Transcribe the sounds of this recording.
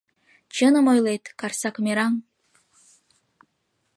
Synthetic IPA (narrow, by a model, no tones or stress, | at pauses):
t͡ɕənə̆mojlet̪kɑrsɑkmʲeɾɑŋ